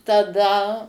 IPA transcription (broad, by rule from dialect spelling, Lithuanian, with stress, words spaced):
tɐˈdɐ